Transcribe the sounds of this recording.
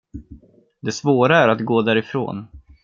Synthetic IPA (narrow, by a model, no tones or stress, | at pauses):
d̪ɛsvoːɾaæɾat̪ɡoːd̪æːɾɪfɾo̰ːn